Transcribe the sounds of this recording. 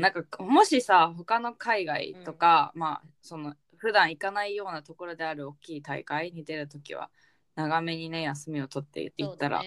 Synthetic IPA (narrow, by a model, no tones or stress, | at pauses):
nãŋkamo̞ɕisaɦo̞kano̞kʰaiɡaḭt̪o̞kamaso̞no̞ | ɸɯ̟d̪ãɰ̃ikanaijo̞ːnat̪o̞ko̞ɾo̞d̪e̞aɾɯ̟o̞kʲːiːt̪aḭkaiɲ̟id̪e̞ɾɯ̟t̪o̞kʲḭβa̰ | naɡame̞ɲ̟ine̞jasɨmʲio̞t̪o̞t̪ːḛɯt̪ːaɾa̰